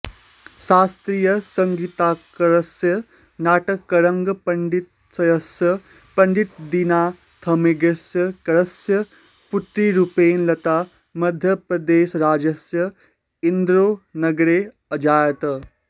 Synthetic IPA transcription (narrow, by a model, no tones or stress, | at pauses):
saːst̪ɾijəsɐŋɡit̪aːkɐɾɐsjɐ | naːʈɐkːɐɾɐŋɡpɐɳɖit̪̚ | sɐjɐsjɐ | pɐɳɖit̪̚d̪inaː | t̪ʰɐmeɡesjɐkɐɾɐsjɐ | put̪ɾiːɾupeːnlɐt̪aː | mɐd̪ʱjəpɾɐd̪eːʃɾaːd͡ʒɐsjɐ | ind̪ɾoːnɐɡɾeː | ɐd͡ʒaːjɐt̪ɐ